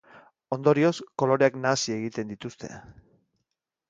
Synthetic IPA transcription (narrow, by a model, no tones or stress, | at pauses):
o̞nd̪o̞ɾio̞sko̞lo̞ɾeaknaːsie̞ɣ̞it̪e̞nd̪it̪ust̪e̞̰